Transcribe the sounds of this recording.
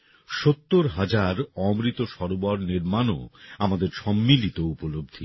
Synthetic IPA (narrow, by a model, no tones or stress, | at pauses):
ʃot̪ːoɾɦad͡ʑaɾɔmɾit̪oʃɔɾobɔɾniɾmano̰amad̪eɾʃɔmːilit̪oupolob̚d̪ʱi